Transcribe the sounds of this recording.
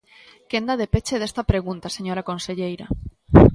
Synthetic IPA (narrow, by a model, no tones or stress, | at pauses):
kend̪aðepet͡ʃeðest̪apɾeɣ̞unt̪aseɲoɾakõ̞nseʎejɾa